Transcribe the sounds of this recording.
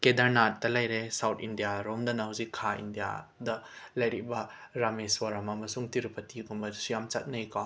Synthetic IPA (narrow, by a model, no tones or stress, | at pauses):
kedɐɾnat̚ːɐlɐjɾesawtʰindijaɾomdɐnɐɦawzikʰːaḭndija̰dɐlɐjɾibɐɾameswaɾamɐmɐsuŋtiɾupɐtiɡumbɐsijamt͡ʃɐt̚nɐjkaw